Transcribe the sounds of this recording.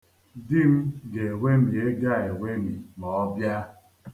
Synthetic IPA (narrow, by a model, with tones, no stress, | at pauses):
dɪ˦m̩˦ɡe˨e˨wʷe˦mi˨e˦ɡa˦˨e˨wʷe˦mi˨nɔ˨ɔ˦bja˦